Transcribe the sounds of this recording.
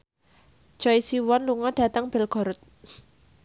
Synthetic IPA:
ʒ̥ɔisiwɔnluŋɔɖ̥ä̤t̪əŋb̥ɛ̤lɡ̥ɔ̤ɾʊt̪̚

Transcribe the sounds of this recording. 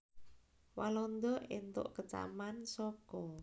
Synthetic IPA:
walɔnd̪ɔʔint̪ʊ̰ʔkət͡ʃa̰mansɔkɔ

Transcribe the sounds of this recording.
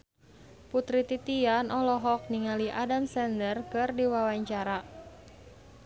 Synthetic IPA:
put̪ɾit̪it̪ianɔlɔɦɔk̚niŋaliʔadamsɛndərkɨrdiwawaɲt͡ʃaɾa

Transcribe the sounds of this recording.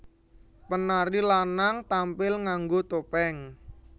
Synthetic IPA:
pənaɾilanaŋt̪ampɪlŋaŋɡot̪opɛŋ

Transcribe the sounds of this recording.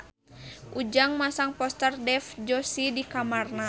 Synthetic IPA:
ʔud͡ʒaŋmasaŋpɔst̪ərdɛfd͡ʒɔsidikamarna

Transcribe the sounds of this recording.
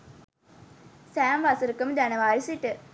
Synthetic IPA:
sæːmʋasəɾukəmd̪ænəʋaːɾisiʈə

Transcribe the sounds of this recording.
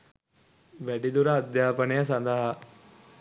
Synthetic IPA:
ʋæɖid̪uɾəːd̪jaːpənejəsand̪ɐɦa

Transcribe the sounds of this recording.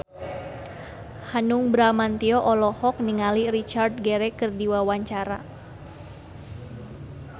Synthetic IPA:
hanuŋbɾamant̪iɔʔɔlɔhɔk̚niŋaliɾit͡ʃard̪̚ɡɛɾɛkɨrdiwawaɲt͡ʃaɾa̰

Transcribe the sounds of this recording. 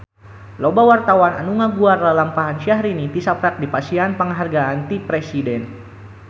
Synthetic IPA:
lobawart̪awana̰nuŋaɡuarlalampaɦanʃahɾinit̪isapɾak̚dipasianpəŋɦarɡaant̪ipɾɛsidɛn

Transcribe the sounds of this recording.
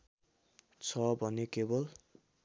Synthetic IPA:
t͡sʰʌbʱʌnekebol

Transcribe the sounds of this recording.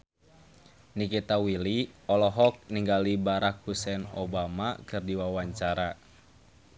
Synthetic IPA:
nikit̪awiliɔlɔɦɔk̚niŋɡalibaɾak̚husɛno̰bamakɨrdiwawaɲt͡ʃaɾa

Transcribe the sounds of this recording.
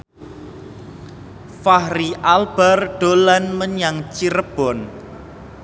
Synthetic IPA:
fahɾiʔalb̥arɖ̥o̤lanməɲaŋt͡ʃiɾəb̥ɔ̤n

